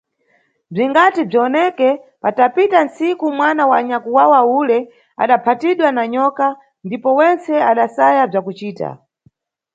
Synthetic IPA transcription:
b͡ʐiŋɡatib͡ʐiɔnɛkɛpatapitansikumwanawaɲakuwawaulɛ | a̰ɗapʰatiɗwanaɲɔka | ndipɔwɛnt͡sɛaɗasajab͡ʐakut͡ʃiːta̰

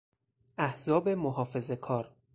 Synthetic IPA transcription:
æhz̥ɒːbe̞moɦɒːfe̞ze̞kʰɒːɾ

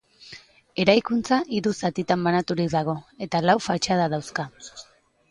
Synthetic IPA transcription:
e̞ɾajkunt͡saʔiɾusat̪it̪ambanat̪uɾikd̪aɣ̞o̞e̞t̪alawfat͡ʃað̞aðawska

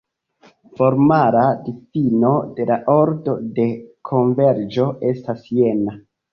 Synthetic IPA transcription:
fo̞ɾmaɾadifino̞de̞laʔo̞ɾdo̞de̞kʰo̞ɱve̞ɾd͡ʒo̞e̞stasje̞na

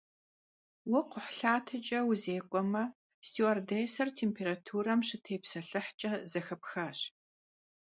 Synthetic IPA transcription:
wɐqʷʊħɬaːtʰɨt͡ʃʼɐwʊzeːkʷʼɔmɐ | stʰiɐrdɐjsɐrtʰeːmpʰeːɾatʰuːɾɐmɕɪtʰeːpsɐɬɨħt͡ʃʼɐzɐxɐpxaːɕ

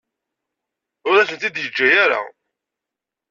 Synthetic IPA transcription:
ʊɾæsənt̪id̪jəd͡ʒːæjaɾa̰

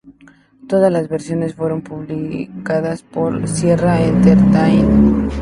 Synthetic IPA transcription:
t̪o̞ð̞azlazβeɾsjo̞ne̞sfweɾo̞mpuβlikaðaspoɾsjeraent̪eɾt̪ajn

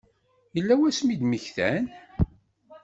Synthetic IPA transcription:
jəlːæwæsmid̪məçθæn

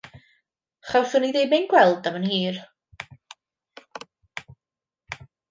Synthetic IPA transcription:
χawθʊniðejmejnɡwɛlˠdamənhiːr

